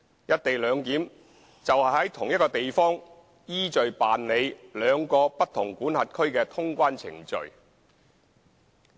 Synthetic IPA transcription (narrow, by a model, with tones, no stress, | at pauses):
jɐ˥t̚t̪e˨jlœː˨˧ŋk̪iː˨˥m | t͡sɐ˨whɐ˨jɦɐ˨˥jt̪ʰʊ˨˩ŋjɐ˥kɔː˧t̪e˨jfɔː˥ŋ | jiː˥t͡ʃɵ˨ɥpaː˨nle˨˧jlœː˨˧ŋkɔː˧pɐ˥t̚t̪ʰːʊ˨˩ŋkuː˨˥nhɐ˨t̚kʰɵ˥ɥkɛː˧t̪ʰʊ˥ŋkʷaː˥nt͡sʰɪ̰˨˩ŋt͡ʃɵ̰˨ɥ